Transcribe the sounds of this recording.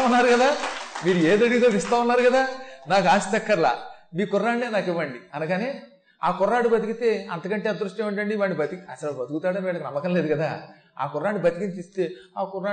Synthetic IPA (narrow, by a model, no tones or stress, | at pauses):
unːaːɾukɐd̪aːmiːɾueːd̪ɐɽiɡit̪oːʋist̪aːunːaːɾukɐd̪aːnaːkaːsi̥t͡ʃɐkːɐɾla̰ːmiːkɔrːaːɳɖeːnaːkiʋːɐɳɖiɐnɐkaːneː | a̰ːkɔrːaːɽubɐt̪ikit̪e̞ːɐ̰nt̪ɐkɐɳʈeɐd̪ɾuʂʈjɐːmuɳʈɐɳɖiʋaːɳibɐt̪ikiɐsɐlbɐt̪ukut̪aːɽɐniʋɛːɭɐkinɐmːɐkɐnleːd̪ukɐd̪aː | a̰ːkɔrːaːɳɖibɐt̪ikint̪ist̪e̞ːaːkɔraː